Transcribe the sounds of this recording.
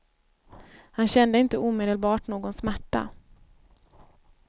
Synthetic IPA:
hanɕɛnd̪əɪnt̪əuːmeːd̪əlbɑːʈnoːɡɔnsmæʈːa̰

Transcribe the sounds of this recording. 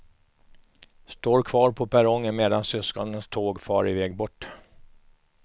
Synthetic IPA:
st̪oːɾkʰvɑːɾpʰɔpæɾɔŋːənmeːd̪ansʏskɔnənst̪ʰoːɡfɑ̰ːɾɪvɛːɡbɔʈː

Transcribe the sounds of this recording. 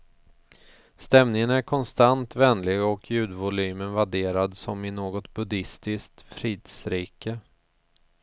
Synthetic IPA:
st̪ɛmnɪŋənæɾkʰɔnst̪ant̪vɛnlɪɡɔkʰjʉ̟ːd̪vʊlyːmənvaɖeːɾad̪sɔmɪnoːɡɔt̪bɵd̪ɪst̪ɪskt̪fɾiːd̪sɾiːkə

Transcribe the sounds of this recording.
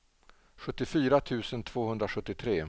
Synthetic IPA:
ɧɵt̪ːɪfyːɾat̪ʰʉ̟ːsənt̪ʰv̥oːhɵnd̪ɾaɧɵt̪ːɪt̪ʰɾeː

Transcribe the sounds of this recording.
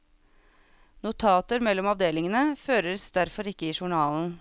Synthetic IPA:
nʊt̪ʰɑːt̪əɾmɛlːɔmɑʋd̪eːlɪŋənəføːɾəsd̪æɾfɔɾɪkːəiːʃʊɳɑːln̩

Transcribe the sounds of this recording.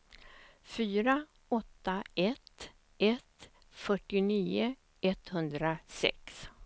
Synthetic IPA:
fyːɾa | ɔt̪ːaɛt̪ | ʔɛt̪ | fœʈːɪniːʊ | ɛt̪hɵnd̪ɾasɛ̰ks

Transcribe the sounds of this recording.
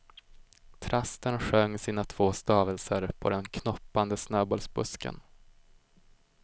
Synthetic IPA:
t̪ʰɾast̪ənɧœŋːsiːnat̪ʰv̥oːst̪ɑːvəlsəɾpʰɔ̰d̪ɛnkʰnɔpːand̪əsnøːbɔːlsbɵskə̰n

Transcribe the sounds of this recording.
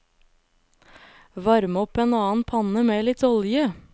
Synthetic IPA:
ʋɑɾmɔpeːnɑːn̩pʰɑnəmeːlɪt̪ɔljə

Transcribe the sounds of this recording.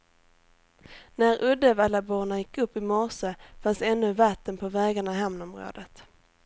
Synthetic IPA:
næɾʔɵd̪ɛvalabuːɳajɪkːɵpːɪmɔʂəfansɛnːɵvat̪ːənpʰɔvɛːɡaɳaɦɛmnɔmɾo̰ːd̪ət̪

